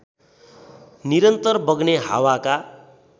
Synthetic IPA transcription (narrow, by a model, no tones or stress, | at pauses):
niɾʌnt̪ʌrbʌɡneɦa̰waka